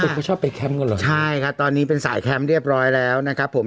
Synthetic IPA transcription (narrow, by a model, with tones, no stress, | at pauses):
t͡ɕʰɔː˥˩pːa˧jkʰɛ˦˥mka˧˩ləː˨˩t͡ɕʰa˥˩jkʰa˦˥p̚t̪ɔː˧nːiː˦˥pe˧nsa̰ː˩˦jkʰɛ˦˥mɾi˥˩əp̚ɾɔː˦˥jlɛː˦˥wna˦˥kʰa˦˥pʰːo˩˦m